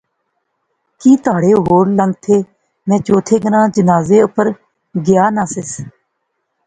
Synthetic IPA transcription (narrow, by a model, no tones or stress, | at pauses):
kiːt̪ʊaːɽeːɦoːɾləŋɡ̚t̪ʰeː | mɛ̃ːt͡ʃoːt̪ʰeːɡəɾãːd͡ʒənaːzeːʊpəɾ | ɡɪjaːnãːsɪs